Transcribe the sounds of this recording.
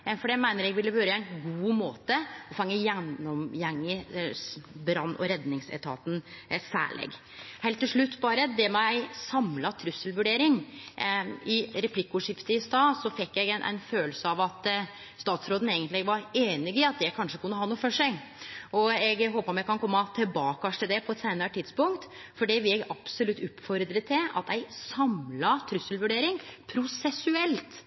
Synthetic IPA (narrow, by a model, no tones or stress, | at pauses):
ɛfɔɖɛmæɪnəɾɛɡʋɪlːəʋøːɾəæɪnɡuːmoːt̪əɔfɑŋːəjɛnːɔmjɛŋːə | bɾɑnːɔ̰ɾɛd̪nɪŋsɛ̰t̪ʰɑ̰ːt̪n̩sæ̰ːɭɛ̰ɡ | hɛɪlt̪ːɪlʂɭʉt̪ːbɑːɾəd̪ɛmæɪsɑmlɑt̪ʰɾʉsːəlʋʉɖeːɾɪŋ | ɪɾɛpʰlɪkːʊʂɪft̪əɪst̪ɑːsɔfɛkːjæɡnʔɛ̰nføːlsəɑʋɑt̪ | st̪ɑːt̪sɾoːd̪n̩eːɡənlɪɛɡʋɑɾeːnɪɡɪɑt̪̚d̪ɛkʰɑnʂəkʰʉnːəhɑnuːfɔʂæɡ | ɔɛɡɦoːpəɔmjɛɡkʰɑnkʰɔmːɑt̪ʰɪlbɑːkɑʂʈ̪ɪld̪ɛpʰɔɛt̪seɪnəɾət̪ʰɪd̪spʊŋkt̪ | fɔɖiʋɪlɛɡɑb̥sɔlʉt̪ːʉpfɔɾd̪ɾət̪ʰːɪlɑ̰t̪æɪsɑmlɑt̪ʰɾʉsːəlʋʉɖeːɾɪŋpʰɾʊsɛsʉɛlt̪